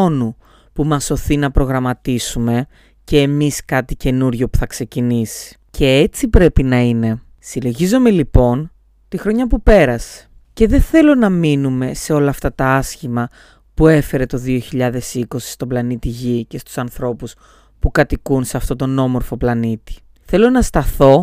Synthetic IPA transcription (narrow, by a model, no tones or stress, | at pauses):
onu | pumɐso̞θinɐpɾo̞ɣɾɐmɐt̪isume̞ | ce̞ːmiskɐt̪ice̞nuɾʝo̞pu̥θɐkse̞cinisi̥ | cʰe̞et͡sipɾe̞pinɐine̞ | silo̞ʝizo̞me̞lipo̞n | t̪ixɾoɲɐpupe̞ɾɐse̥ | ce̞ðeθe̞lo̞nɐminume̞se̞o̞lɐːft̪ɐt̪ɐɐsçimɐ | pue̞fe̞ɾe̞t̪o̞ðio̞çiʎɐðe̞siko̞si̥st̪o̞blɐnit̪iʝice̞st̪u̥sɐnθɾo̞pus | pukɐt̪ikunseɐft̪o̞t̪o̞no̞mo̞ɾfo̞plɐnit̪i̥ | θe̞lo̞nɐst̪ɐθo̞